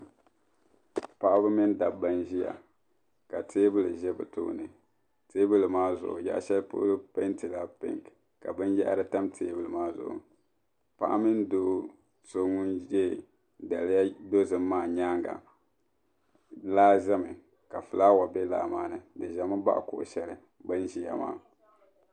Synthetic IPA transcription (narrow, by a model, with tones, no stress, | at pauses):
pa˦ʔa˦bɨ˦mɪ˦n˦da˨ba˦nʒi˦ja̰˨ | ka˨tʰeː˦bɨ˦lɨ˨ʒɛ˦bɨ̰˨tṵ˦˨nɨ˨ | te˦bɨ˦lɨ˨maː˦zʊ̰˨ʔʊ̰˨ja̰˦ʔʃɛ˦lpʊ̰˦lɨ˦pɛ˦nti˨la˦pɪ̰˦ŋk | ka˨bɨ˦njɛ˦ʔa̰˦ɾɨ˦ta˦mtʰeː˦bɨ˦˨lɨ˨maː˦zʊ̰˨ʔʊ̰˨ | pa̰˦ʔmɨ˦ndo˦ | so˦ŋu˦nɛ˦˨ | da˨lja˦do˦zɨ˨mː˦aː˦˨ɲaː˦ŋɡa̰˨ | laː˦ʒɛ˦mɨ˨ | ka˨fɨ˨laː˦wa˨bɛ˦la̰ː˨maː˨nɨ˨dɨ˨ʒɛ˨mɨ˦ba̰˦ʔkʊ˨ʔʊ̰˨ʃɛ˦lɨ˨ | bɨ˦nʒi˨ja̰˨ma̰ː˦˨